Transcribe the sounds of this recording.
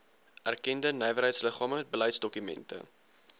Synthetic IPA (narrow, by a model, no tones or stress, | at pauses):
ʔærkɛndənəjvəɾɦəjtsləχɑːməɛt̚bələjtsdɔkymɛ̰ntə̰